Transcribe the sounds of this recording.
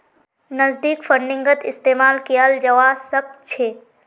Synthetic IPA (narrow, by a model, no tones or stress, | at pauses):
nəzd̪iːkfʰəɳɖɪ̃ŋɡət̪ɪst̪eːmaːlkijaːld͡ʒɐʋaːsɐb̚t͡ʃʰeː